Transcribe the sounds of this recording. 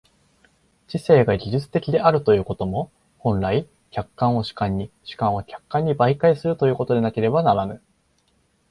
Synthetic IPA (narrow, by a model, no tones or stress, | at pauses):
t͡ɕise̞ːɡaɡʲiʑɨt͡sɨ̥t̪e̞kʲid̪e̞ʔaɾɯ̟t̪o̞jɯ̟ːko̞t̪o̞mo̞ | hõ̞nɾai | kʲakːãɰ̃o̞ɕi̥kãɲ̟ːiɕi̥kãɰ̃okʲḁkːãɲ̟ːibaikaisɨɾɯ̟t̪o̞jɯ̟ːko̞t̪o̞d̪e̞nake̞ɾe̞banaɾanɯ̟